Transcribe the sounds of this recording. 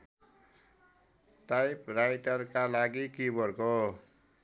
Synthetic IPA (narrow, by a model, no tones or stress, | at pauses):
ʈajprajʈʌrkalaɡikibʱʌɾko